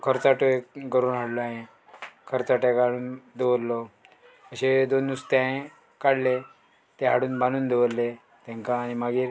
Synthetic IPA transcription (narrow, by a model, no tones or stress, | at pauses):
kʰəɾt͡saʈoeɡəɾuːnɦaɽlɔaɦẽ | kʰəɾt͡saʈaɡaɽuːnd̪eʋəlːɔ | əɕed̪onːust̪aɦẽ | kaɽle | t̪eɦaɽuːnbanuːnd̪eʋəlːe | t̪ɛ̃ŋkãːnimaɡiːɾ